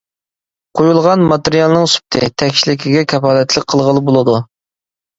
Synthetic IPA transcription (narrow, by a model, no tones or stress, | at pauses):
qʰojulˠʁɑnmɑt̪ɨɾijɑlˠnɨŋsy̥p̚t̪ʰɪt̪ʰɛkʲʃilɪkʲʰiɡʲɛkʲʰɛpɑːlɛt̪lɪk̚ʲqʰəlˠʁəlˠɨbolˠɨd̪u